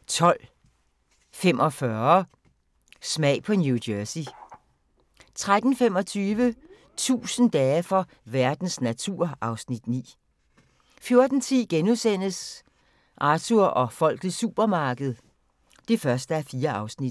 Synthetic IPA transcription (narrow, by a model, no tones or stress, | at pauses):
t͡sʰɒ̽l̰ | femʔɒ̽fɶɐ | smɛ̰ɪpʰɒ̽njud̥øsi | t͡sʰʁad̥n̩fem̰ɒ̽t͡sʰyːʋə | t͡sʰṵːsən̩d̥ɛːfɒ̽ | ʋæɐd̥n̩snæt͡sʰuɐ̰ɑ̈ʊsnid̥nḭː | fjo̝ɐd̥n̩t͡sʰiðɡ̥enuðˠsen̰əs | ʔɑ̈t͡sʰuɐʔɒ̽fɒ̽l̰ɡ̥ð̩ˠsṵːb̥ɐmɑ̈ːɡ̥əð̞̩ˠ | d̥e̝fɶɐsd̥əæɐfiːɐɑ̈ʊsnid̥